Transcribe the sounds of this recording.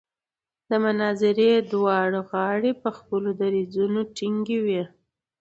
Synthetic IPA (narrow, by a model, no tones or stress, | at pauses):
d̪əmʊnɑzɪɾed̪wɑɽɣɑɽepəxpəlod̪aɾizunoʈiŋɡiwi